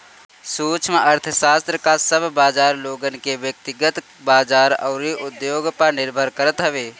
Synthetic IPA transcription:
suːt͡ʃʰmeʔɐɾt̪ʰəʃaːst̪ɾəkasəbʱbaːd͡ʒaːɾloːɡənkeʋjək̚t̪ɪɡət̪ | baːd͡ʒaːɾɐ̰ːɾiʔʊd̪joːɡpəɾnɪɾbʱəɾkəɾət̪ɦɛʋeː

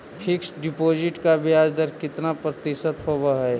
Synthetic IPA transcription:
pʰɪksɖɪpoːd͡ʒɪʈkabɪjaːd͡ʒd̪əɾkɪt̪napɾət̪ɪʃət̪ɦoːbaɦɛ

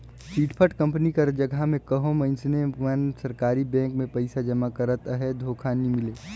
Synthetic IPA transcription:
siːʈpʰəʈkə̃mpnikaɾd͡ʒəɡʱamẽkɐɦõmɐ̃ɪnsnemənsɐɾkaːɾibɛ̃ːŋkmẽpɐɪsad͡ʒɐmakəɾət̪əɦɛd̪ʱoːkʰanimɪleː

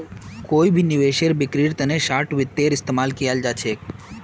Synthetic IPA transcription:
koibʱinɪʋeʃeɾbɪkɾiɾt̪əneʃaːʈʋɪt̪ːeɾɪst̪emaːlkijald͡ʒat͡ʃʰe

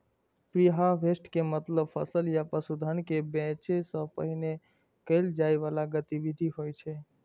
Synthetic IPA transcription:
pɾiɦaʋʱesʈkemət̪ləbfʰə̰səljapəsud̪ʱənkebɛ̃t͡ʃesəpə̰ɦine | keld͡ʒajʋalaɡət̪iʋid̪ʱiɦojt͡ʃʰe

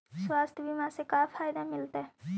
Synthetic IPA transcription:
swaːst̪ʰjbʱimãːsekaːpʰaːjd̪amɪlt̪aɛ

